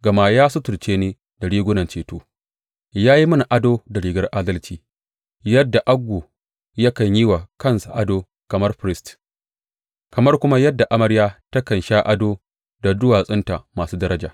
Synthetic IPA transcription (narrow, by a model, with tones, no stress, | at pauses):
ɡɐ˨ma˨jaː˦sʊ˦tʊ˨ɽt͡ʃeː˦neː˦ | da˨ɽiː˦ɡʷʊ˦nɐ˨nt͡ʃeː˨toː˦ | jaː˦ji˦mɐ˦n˨ʔa˦doː˦da˨ɽiː˨ɡɐ˦rʔaː˦dɐ˦lt͡ʃiː˨ | jɐ˦dːa˨ʔa˦ɡʷːoː˨ | jɐ˦kɐ˨ɲji˦wa˨kɐ˦˨nsa˨ʔa˦doː˦ | kɐ˨mɐ˦rɸɾɪ˦st | kɐ˨mɐ˦rkʷʊ˦ma˦jɐ˦dːa˨ʔa˦mɐ˦ɽjaː˦tɐ˦kɐ˨nʃaː˦ʔa˦doː˦ | da˨dʊ˦waː˨sʼɪ˦nta˨maː˨suː˦dɐ˦ɾɐ˦d͡ʒa̰ː˨